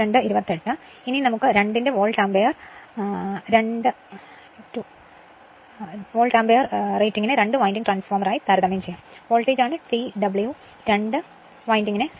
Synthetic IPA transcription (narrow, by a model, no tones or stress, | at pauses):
ɾeɳɖɨiɾubɐt̪ːeʈːɨ | ininɐmukːɨɾe̞ɳɖinde̞ʋoːɭʈaːmbejɐr | ɾe̞ɳɖɨ | tu | ʋoːɭʈaːmbejɐrrejtːiŋːinɨɾe̞ɳɖɨʋaːjndiŋʈraːnsformɐraːjit̪aɾɐðɐmɐjmt͡ɕejːaːmʋo̞ːɭʈːeːd͡ʑaːɳɨʈiɖɐbɨɭju | ɾe̞ɳɖɨ | ʋaːjndiŋːine